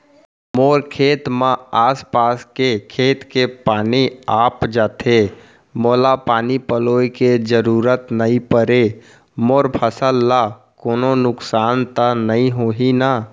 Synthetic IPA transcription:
moːɾkʰeːt̪mãaːspaːskekʰeːt̪kepaːniaːpd͡ʒaːt̪ʰe | moːlapaːnipəloːiked͡ʒəɾuːɾət̪nəĩpəɾe | moːɾpʰəsəlːa | koːnonʊksaːnt̪anəɦĩɦoːɦina

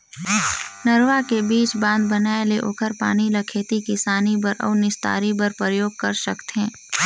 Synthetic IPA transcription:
nɐɾʋakebiːt͡ʃbãːnd̪̚bɐnaːeleʔo̰kʰəɾpa̰ːnilɐkʰeːt̪ikɪsaːnibəɾɔ̰ːnɪst̪a̰ːɾibɐɾpɾɾəjoːɡ̚kɐɾʃɐkt̪ɦɛ̃ː

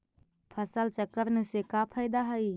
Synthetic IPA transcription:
pʰəsəlt͡ʃəkəɾnəsekapʰəjd̪aɦəi

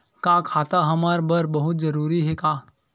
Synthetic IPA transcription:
kaːkʰaːt̪aɦɐmaːɾbɐɾbɐɦʊt̪zɐɾuːɾiɦɛkaː

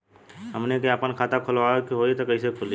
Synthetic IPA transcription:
ɦɐmnekeəpənkʰaːt̪akʰʊlʋakiɦoːit̪okɐɪsekʰʊli

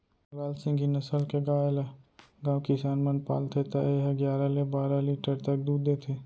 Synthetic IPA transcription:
ɾaːlsɪ̃ŋɡinəsəlkeɡãːela | ɡãːwkisaːnmənpa̰ːlt̪ʰet̪aeɦəɡjaːɾalebaːɾaliːʈəɾt̪ɐk̚d̪uːd̪eːt̪ʰeː

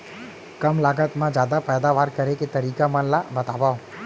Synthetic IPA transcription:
kəmlaɡət̪mãd͡ʒjad̪apɛːd̪aʋaɾkəɾeket̪əɾikamənlabət̪aʋao

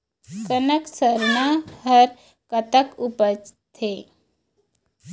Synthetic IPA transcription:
kənəksəɾnahəɾ | kət̪əkupət͡ʃt̪ʰe

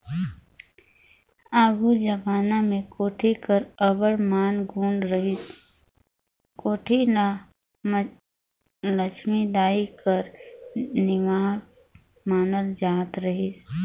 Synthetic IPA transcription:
aːɡud͡ʒəbaːnamẽkoːʈʰikəɾəbəɽmaːnɡʱuːɳɖɾəɦi | koːʈʰi | lət͡ʃmid̪aːikəɾ | nɪmaː | maːnəld͡ʒaːt̪ɾəɦis

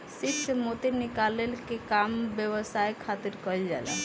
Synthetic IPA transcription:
siksəmot̪inikalelkekambjəwəsajkʰat̪iɾkəld͡ʒa̰lɛ̰

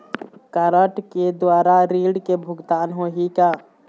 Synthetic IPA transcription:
kəɾəʈked̪waːɾaɾiːɽkebʱʊɡt̪aːnɦoːɦikaː

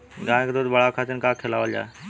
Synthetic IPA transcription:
ɡãːkd̪oːd̪bəɭaːkʰaːt͡ʃənkaːkʰelaːʋəld͡ʒa̰ːe

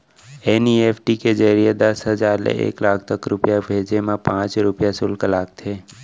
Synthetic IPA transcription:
eːnieːpʰʈiked͡ʒəɾijed̪əsɦəzaːɾlḛʔḛːklaːkʰt̪əkɾʊpjabʱeːd͡ʒemãpãːt͡ʃɾʊpjasʊlkəlaːk̚t̪ʰeː

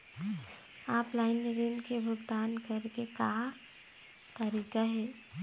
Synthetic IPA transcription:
aːplaːɪnɾɪnkebʱʊɡd̪aːnkəɾkeka | t̪əɾiːkaɦɛː

